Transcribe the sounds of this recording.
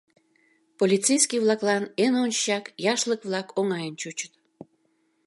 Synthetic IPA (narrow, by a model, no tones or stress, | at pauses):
polʲit̪t͡sejskiβlɑklɑnenont͡ɕjɑkjɑʃləkβlɑkoŋɑjənt͡ɕut͡ɕə̥t̪